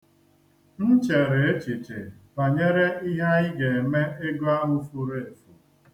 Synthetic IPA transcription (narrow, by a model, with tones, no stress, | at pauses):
n̩˦t͡ʃe˨ɾe˨e˦t͡ʃi˨t͡ʃe˨ba˨ɲe˦ɾe˦i˦ɦa˦ɪ˦ɡe˨e˨me˦e˦ɡo˦a˦ɦʊ˦fu˦ɾe˦e˨fu˨